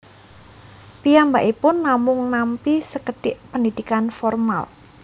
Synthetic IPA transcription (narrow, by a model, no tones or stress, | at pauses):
pijambaʔipʊnːamʊŋnampisəkəd̥ɪʔpəndid̪̥ikanfɔrma̰l